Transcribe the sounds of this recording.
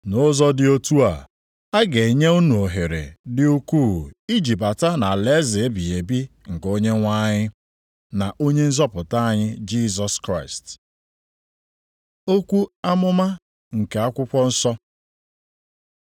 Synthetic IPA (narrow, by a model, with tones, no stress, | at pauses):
nʊ˦zɔ˦dɪ˦o˦tu˦a̰˨ | a˦ɡe˨ɲe˦u˦nu˨o˨ɦe˨ɾḛ˨dɪ˦u˦ku˦˨i˦d͡ʒi˨ba˨ta˦na˨le˦zɪ˨e˦bi˨e˨bi˦ŋ̩˨ko˦ɲe˦ŋʷa˦ɲɪ˦ | na˨ʔo˦ɲe˦n̩˦zɔ˦pʊ˨ta˦a˨ɲɪ˦d͡ʒi˦zɔ˨skɾa˦˨ɪ˨st | o˦kʷu˦a˦mʊ˦ma˦ | ŋ̩˨ke˨a˦kʷʊ˦kʷɔ˦n̩˦sɔ˦